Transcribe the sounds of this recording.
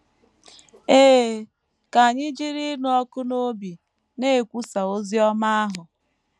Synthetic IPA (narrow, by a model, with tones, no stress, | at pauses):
eː˦˨ | ka˨ɲɪ˦d͡ʒi˦ɾi˦nʊ˦ɔ˦kʊ˦no˦bi˨ | ne˦e˨kʷu˦sa˨o˦zi˦ɔ˦ma˦a˦ɦʊ˨